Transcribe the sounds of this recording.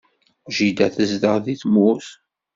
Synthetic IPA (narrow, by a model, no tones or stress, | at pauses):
ʒid̪æθəzd̪əʁðiθmuθ